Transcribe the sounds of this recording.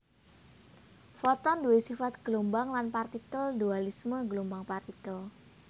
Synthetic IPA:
fɔt̪ɔnduwesifat̪̚ɡ̥əlombaŋlanpart̪ikəldualisməɡəlombaŋpart̪ikəl

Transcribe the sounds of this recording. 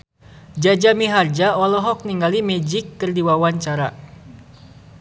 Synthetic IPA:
d͡ʒad͡ʒamiɦard͡ʒaɔlɔɦɔk̚niŋɡalimɛd͡ʒɪkːərdiwawaɲt͡ʃaɾa

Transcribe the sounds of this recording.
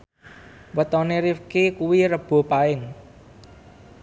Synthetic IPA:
wət̪ɔneɾifkekuwiɾəb̥o̤paɪŋ

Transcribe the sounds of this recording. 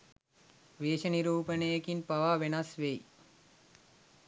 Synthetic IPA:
ʋeːʃəniɾuːpənəjekinpaʋaːʋenɐsʋej

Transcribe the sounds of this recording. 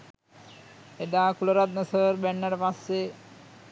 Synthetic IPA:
ed̪akuloɾad̪̚nəsəɾbɛɳːaɽpasːe

